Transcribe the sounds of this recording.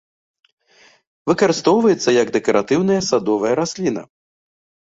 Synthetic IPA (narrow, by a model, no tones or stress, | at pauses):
vɨkɐɾɨst̪ɔwvɐjɛt̪sːɐjɐɡd̪ɛkɐɾat̪ɨwn̪ɐjɐsad̪ɔvɐjɐɾasʲlʲinɐ̰